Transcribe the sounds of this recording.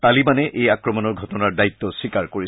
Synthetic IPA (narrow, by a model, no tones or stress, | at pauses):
t̪alibanɛʔejakɹɔmɔnɔɹɡʱɔtɔnaɹdait̪ːɔsikaɹkoɹi